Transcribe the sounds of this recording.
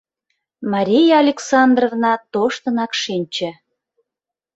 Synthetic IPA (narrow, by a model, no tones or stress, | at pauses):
mɑɾʲijɑːlʲeksɑnd̪rovnɑt̪oʃt̪ə̆nɑkʃinʲt͡ɕĕ